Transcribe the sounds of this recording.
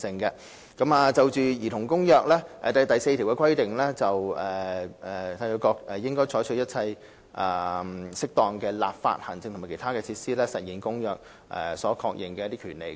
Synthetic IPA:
sɪ˨ŋkɛ˧ | kɐ˨˧˥maː˨˧t͡sɐ˨˧wt͡ʃyː˨jiː˨˩t̪ʰʊ˨˩ŋkʊ˥ŋjœː˧k̚lɛː˥ʔɛ̰ː˨˧t̪ɐ˨˩t̪ɐ˨jse˧t̪ʰi˨wkɛ˧kʰɐ˥jt̪ɪ˨ŋlɛː˥t͡sɐ˨wɛː˨ɛ˨˩t̪ʰɐ˧jɔ˧kɔː˧k̚ʔɛ˨jɪ˥ŋkɔː˥jt͡ʃʰɔː˨˥jt͡ʃʰɵ˧˥jɐ˥t̚t͡sʰɐ˧j | ʔaː˨˩sɪ˥k̚t̪ɔː˨ŋkɛː˧la̰ː˨p̚fa̰ː˧t̚hɐ˨˩nt͡sɪ˧ŋt̪ʊ˨˩˨kʰe˨˩t̪ʰaː˥kɛː˧t͡sʰiː˧t̚siː˥lɛː˥sɐ˨t̚jiː˨˩nkʊ˥ŋjœː˧k̚ | ʔɛ̰ː˨˩sɔː˨˥kʰɔː˧k̚jɪ˨˩ŋkɛː˧˦˥t̪iː˥kʰyː˨˩nlḛ˨˩j

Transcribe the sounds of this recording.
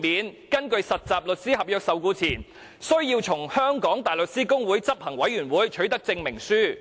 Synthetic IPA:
miː˨˥nkɐ˥nkɵ˧ɥsɐ˨t̚t͡saː˨p̚lɵ˨t̚siː˥ɦɐ˨p̚jœː˧k̚sɐ˨wkuː˧t͡sʰiː˨˩n | sɵ˥ɥjiː˧wt͡sʰʊ˨˩ŋhœː˥ŋkɔː˨˥ŋt̪aː˨jlɵ˨t̚siː˥kʊ˥ŋwuː˨˥jt͡sɐ˥p̚hɐ˨˩ŋwɐ˨˥jɥyː˨˩nwuː˨˥jt͡ʃʰɵ˨˥ɥt̪ɐ˥k̚t͡sɪ˧ŋmɪ˨˩ŋsyː˥

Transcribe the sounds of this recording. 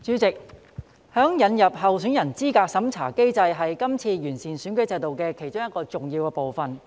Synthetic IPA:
t͡ʃyː˨˧˥t͡sɪ˨k̚ | hœː˨˥ŋjɐ˨˧njɐ˨p̚hɐ˨wsyː˨˥njɐ˨˩nt͡siː˥kaː˧k̚sɐ˨˥mt͡sʰaː˨˩ke˥jt͡sɐ˧jɦɐ˨jkɐ˥mt͡sʰiː˧jyː˨˩nsiː˨˩nsyː˨˥nkɵ˨˥ɥt͡sɐ˧jt̪o˨wkɛː˧kʰe˨˩jt͡ʃʊ˥ŋjɐ˥kːɔː˧t͡sʊ˨ŋjiː˧wkɛː˧po˨wfɐ˨n

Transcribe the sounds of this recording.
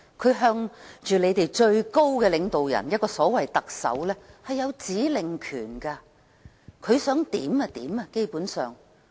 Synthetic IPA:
kʰɵ˨˧ɥɦœː˧ŋt͡ʃyː˨le˨˧jt̪e˨jt͡ʃɵ˧ɥko˥wkɛː˧lɪ˨˧ŋt̪o˨wjɐ̰˨˩njɐ˥t̚kɔː˧sɔː˨˥wɐ˨jt̪ɐ˨k̚sɐ̰˨˥wlɛː˥hɐ˨jːɐ˨˧wt͡siː˨˥lɪ˨˩ŋkʰyː˨˩nkaː˧ | kʰɵ˨˧ɥsœː˨˥ŋt̪ḭː˨˥mɐ˧t̪iː˨˥mɐ˧ke˥jpuː˨˥nsœː˨˩ŋ

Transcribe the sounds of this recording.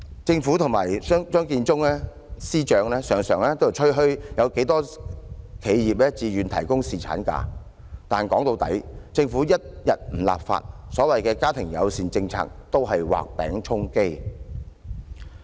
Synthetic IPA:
t͡sɪ˧ŋfuː˨˥t̪ʰʊ˨˩ŋma̰ː˨˩jːŋt͡ʃœː˥ŋkiː˧nt͡sʊ˥ŋlɛ˥ | siː˥t͡ʃœː˧ŋlɛː˥sœː˨˩ŋsœː˨˩ŋlɛ˥t̪o˥wjɐ˨˩t͡ʃʰɵ˥ɦɵ˥ɥjɐ˨˧wke˨˥jt̪ɔː˥ | kʰe˨˧jjiː˨p̚lɛː˥t͡siː˨˧ɥyː˨nt̪ʰɐ˨˩jkʊ˥ŋsiː˨t͡sʰa̰ː˨˥nka̰ː˧ | t̪aː˨nkɔː˨˥ŋt̪o˧wt̪ɐ̰˨˥jt͡sɪ˧ŋfu˨˥jɐ˥t̚jɐ˨t̚m̩˨˩la̰ː˨p̚fa̰ː˧t̚sɔː˨˥wɐ˨jkɛː˧kaː˥t̪ʰɪ˨˩ŋjɐ̰˨˧wsiː˨nt͡sɪ˧ŋt͡sʰa̰ː˧k̚t̪o˥wɦɐ˨jwa̰ː˨k̚pɛ̰ː˨˥ŋt͡ʃʰʊ˥ŋke˥j

